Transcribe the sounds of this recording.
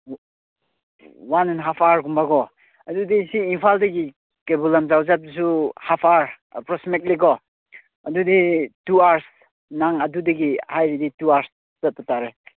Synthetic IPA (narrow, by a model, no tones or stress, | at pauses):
wanɛnɦapʰaɾɡumbaɡɔ | ɐdudisiːmpʰaldɐɡi | kebulamzawzap̚dis̬uhapʰaɾ | pɾɔsmikliɡɔ | ɐdudituaɾs | naŋɐdudiɡihajɾidituaɾs | z̥at̚pataɾe